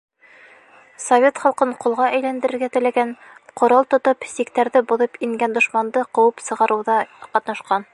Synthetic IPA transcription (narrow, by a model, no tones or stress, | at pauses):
sovʲet̪χɑlˠqɤɴqulˠʁɑʔæjlænd̪ɘ̆ɾɘ̆ɾɡæt̪ɘ̆læɡæn | qŏɾɑlˠt̪ŏt̪opsikt̪æɾðɘbuðɤpiŋɡænd̪ŏʃmɑnd̪ɤqɤ̆wɤpsɤ̆ʁɑɾɤ̆wðɑqɑt̪nɑʃqɑn